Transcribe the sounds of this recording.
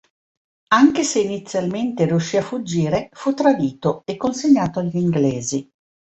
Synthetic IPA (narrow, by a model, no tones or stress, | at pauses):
aŋk̟eseinit̪sːjalment̪eriuʃːiafud͡ʒːiːɾefut̪ːɾad̪iːt̪oekːonseɲːaːt̪oaʎːiŋɡlɛːzi